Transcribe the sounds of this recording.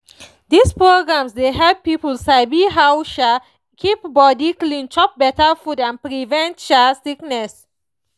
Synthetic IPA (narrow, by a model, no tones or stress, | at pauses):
d̪ispɹoɡɹãmsdeɦɛlpːipəlsaɪbiɦawʃa | kʰip̚bɔdiklĩntʰɔp̚bɛtəfudãnpɹivɛ̃ntʃasiknɛs